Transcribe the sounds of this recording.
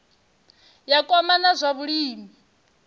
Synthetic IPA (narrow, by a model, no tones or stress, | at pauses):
jakʼɔmanazʷaβuɺiːmi